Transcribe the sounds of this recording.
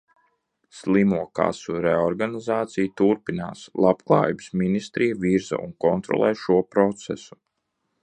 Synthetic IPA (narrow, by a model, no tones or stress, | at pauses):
slˠimuɔka̰suɾɛɔɾɡanizaːt̪sijt̪uɾpina̰ːslˠapklˠɑ̰ːjibsminist̪ɾijviɾza̰unkɔnt̪ɾɔ̰lˠɛːʃuɔpɾɔt̪sɛsu̥